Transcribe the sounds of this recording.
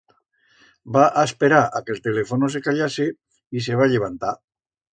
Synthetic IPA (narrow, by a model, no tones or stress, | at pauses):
baʔaespeɾaakelt̪e̞le̞fonos̬e̞kaʎase | is̬e̞β̞aʎe̞β̞ant̪a